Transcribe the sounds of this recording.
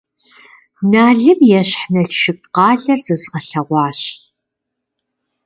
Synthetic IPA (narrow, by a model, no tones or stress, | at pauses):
naːɮɨmjɛɕħnɐɬʃɪk̚qɑːɮɐrz̥ɨzʁɐɬɐʁʷɑːɕ